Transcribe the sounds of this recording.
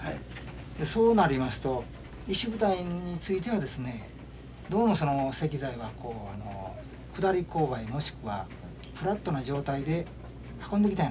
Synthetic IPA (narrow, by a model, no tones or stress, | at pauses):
hai | d̪e̞so̞ːnaɾʲimasɨ̥t̪o̞ | iɕibɯ̟t̪aiɲ̟it͡sɨit̪̬e̞βad̪e̞sɨne̞ | d̪o̞ːmo̞so̞no̞se̞kʲizaiβako̞ːano̞̰ | kɯ̟d̪aɾʲiko̞ːbaimo̞ɕi̥kɯ̟βa̰ | pɯ̟ɾat̪ːo̞naʑo̞ːt̪aid̪e̞ | hḁkõ̞nd̪e̞kʲit̪aĩn